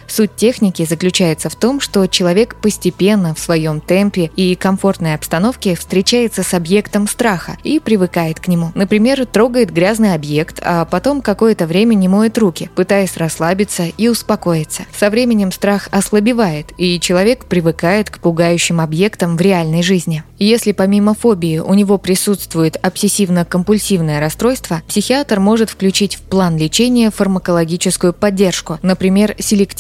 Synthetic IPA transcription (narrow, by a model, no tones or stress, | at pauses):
sut̚ʲtʲːe̞xnʲɪkʲɪzəklʲʉt͡ɕæjɪt̪səft̪o̞mʂt̪o̞t͡ɕɪlˠɐvʲe̞kpəsʲtʲɪpʲe̞nːəfsvɐjo̞mt̪ɛmpʲɪikɐɱfo̞rt̪nəjɐpst̪ɐno̞fkʲɪfst̪ɾʲɪt͡ɕæjɪt̪səsɐbje̞kt̪əmst̪ɾaxə̰ipɾʲɪvɨkajɪt̪knʲɪmunəpɾʲɪmʲe̞rt̪ɾo̞ɡəjɪt̪ɡɾʲaznɨjɐbje̞kt̪ʰɐ̰pɐt̪o̞mkɐko̞jət̪əvɾʲemʲənʲɪmo̞jɪt̪rukʲɪpɨt̪ajɪsʲrɐslˠabʲɪt̪səiʊspɐko̞jɪt̪sə̥sɐvɾʲemʲɪnʲɪmst̪ɾaxɐslˠəbʲɪvajɪt̪it͡ɕɪlˠɐvʲe̞kpɾʲɪvɨkajɪt̪kpʊɡajʉɕːɪmɐbje̞kt̪əmvɾʲɪalʲnəjʐɨzʲnʲɪjesʲlʲɪpɐmʲimɐfo̞bʲɪɪʔʊnʲɪvo̞pɾʲɪsut̪st̪vʊjɪt̪ɐpsʲɪsʲivnəkəmpʊlʲsʲivnəjəɾɐst̪ɾo̞jst̪vəpsʲɪxʲɪat̪rmo̞ʐɨt̪fklʲʉt͡ɕitʲfplˠanlʲɪt͡ɕenʲɪjəfərməkəlˠɐɡʲit͡ɕɪskʊjʊpɐdʲːe̞rʂkʊnəpɾʲɪmʲe̞rsʲɪlʲɪktʲ